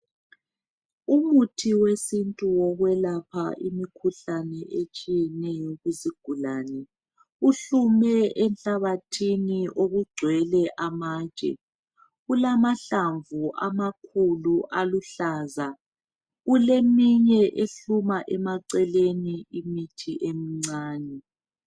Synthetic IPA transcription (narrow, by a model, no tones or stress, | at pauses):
umutʰiwesintʼuwɔɣwɛlapʰa̰ʔimikʰuɬanɛʔet͡ʃʼijɛnɛjɔɣuziɡ̥ʱulaːnɛ | uɬumɛʔɛnɬaβatʰiniʔoɣuɡ͡ǀʱwɛlɛʔamaːt͡ʃʼɛ̰ | ɣulamaɬaɱvuʔa̰makʰuluʔaluɬaːza | ɣulemiɲɛʔeɬumaʔɛmaǀɛleniimitʰiʔemiŋ͡ǀaːnɛ